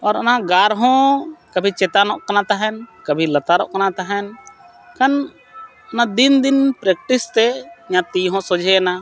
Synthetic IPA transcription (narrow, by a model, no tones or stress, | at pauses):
ɔɾɔnaɡaɾɦɔ̃kəbʱit͡ʃɛt̪anɔʔkanat̪aɦɛnkəbʱilɐt̪aɾɔ̰ʔkanat̪aɦɛn | kan | ɔnad̪ind̪inpɾɛk̚ʈist̪ɛɲãt̪iɦɔ̃sɔd͡ʒʱɛna